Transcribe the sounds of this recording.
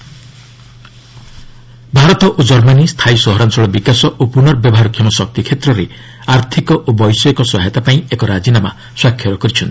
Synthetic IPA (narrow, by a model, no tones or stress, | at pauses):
bʱaɾɔt̪ɔʔod͡ʒɔɾmanist̪ʰaisɔɦɔɾansɔɭɔbikasɔʔopunɔɾbjɔbɔɦaɾɔkʰjɔmɔsɔk̚t̪ikʰet̪ɾɔɾe | aɾt̪ʰikɔʔobɔjsɔekɔsɔɦɛt̪apaĩekɔɾad͡ʒinama̰ | swakʰːjɔɾɔkɔɾit͡ʃʰɔnt̪i̥